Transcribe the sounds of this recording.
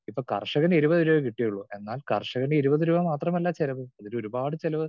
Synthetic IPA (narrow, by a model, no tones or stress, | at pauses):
ipːokɐ̰rʂɐɣɐniɾubɐðoɾubɐkiʈːijuɭːuʔe̞nːaːlkɐ̰rʂɐɣɐniɾubɐðɨɾuːbɐmaːt̪rɐmɐlːɐt͡ɕelɐʋɨɐðinɨoɾubaːɽɨt͡ɕelɐʋɨ